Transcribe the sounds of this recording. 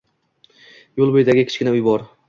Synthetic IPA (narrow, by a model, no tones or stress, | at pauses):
jolˠbojd̪aɡʲɪkʲʰɪ̥t͡ʃkʲɪnaʊjbɒɾ